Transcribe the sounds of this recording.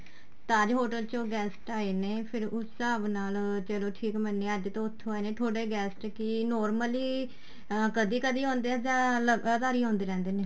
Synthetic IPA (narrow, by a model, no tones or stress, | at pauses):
t̪ad͡ʒɦoːʈəlt͡ʃõːɡɛːsʈaːeːneːpʰɪɾʊsːəbnaːlt͡ʃəloːʈʰiːkmənːeːəd͡ʒt̪õːʊt̪ʰːõːaːeːneːʈʰoːɽeːɡɛːsʈkɪnɔːɾməliː | kəd̪iːkəd̪iːɦõːnd̪eːd͡ʒ̪ãːləəd̪aːɾiːɦõːnd̪eːɾɛ̃ːnd̪eːneː